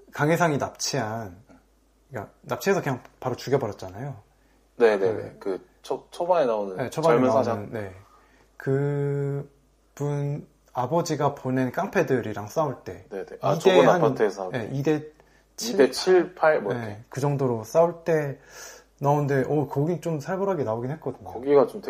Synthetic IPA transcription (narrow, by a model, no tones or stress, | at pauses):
kaŋesʰaŋinap̚t͡ɕʰian | k͈a̰nap̚t͡ɕʰiɦe̞sʰʌkeɲaŋpaɾot͡ɕuɡjʌbʌɾjʌt̚t͡ɕ͈anajo | ne̞neḛkɯ | t͡ɕʰot͡ɕʰobaŋenaonɯne̞t͡ɕʰobaenaɯnːe̞ | kɯ | pun | abʌd͡ʑiɡapone̞nk͈aŋpʰe̞dɯɾiɾaŋs͈auɭt͈e̞neeit͡ɕdenaanʰatʰesʰaje̞ʔide̞ | t͡ɕʰidet͡ɕʰiɭpʰaɭmeekɯd͡ʑʌŋdoɾos͈auɭt͈e̞ | naonde̞ʔʌkʌɡit͡ɕ͈omsʰaɭbʌɾaɡenaoɡinhe̞t̚k͈ʌdɯɲooɡiɡat͡ɕomte